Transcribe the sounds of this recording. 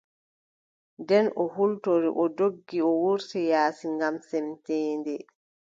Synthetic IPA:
ndɛnɔhultoɾḭʔɔdoɡːiɔwuɾtɛjaːsiŋɡamsɛmtɛːndɛ

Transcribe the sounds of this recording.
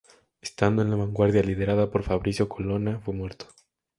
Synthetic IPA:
est̪and̪o̞e̞nlaβaŋɡwaɾðjalið̞e̞ɾaðapo̞ɾfaβɾisjo̞kʰolonafwe̞mwe̞ɾt̪o̥

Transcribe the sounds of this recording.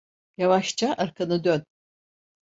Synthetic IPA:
javaʃt͡ʃʰaʔaɾkʰanɯd̪øn

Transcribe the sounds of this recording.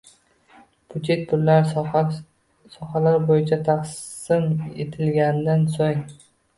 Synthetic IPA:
pʰʊt͡ʃʰet̪̚pʊɾlaɾ | sɒhalaɾbojɪt͡ʃʰat̪ʰaqs | ɪmḛt̪ʰɪlɡʲand̪ansoŋ

